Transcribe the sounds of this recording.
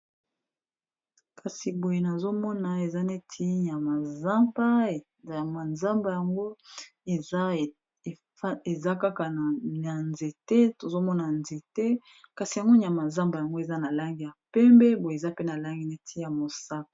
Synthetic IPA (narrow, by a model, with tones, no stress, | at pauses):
kʰa˨si˨bo˨je˨na˨zo˦mɔ˦na˨e˨za˦ne˦tʰi˦ɲ˨a˨ma˨za˦mba˦˨ | a˨ma˨nza˦mba˨ja˨ŋɡo˦e˨˦˨ | e˨za˦ka˦ka˨na˨a˨nze˨tɛ˦to˨zo˦mɔ˦na˨nze˨tɛ˦ | ka˨si˨ja˨ŋɡo˦ɲ˨a˨ma˨za˦mba˨ja˨ŋɡo˦e˨za˦na˨la˦ŋɡi˦˨ja˨pɛ˦mbɛ˦bo˨je˨za˦pe˦na˨la˦ŋɡi˦ne˦tʰi˦ja˨mo˨sa˦ka˨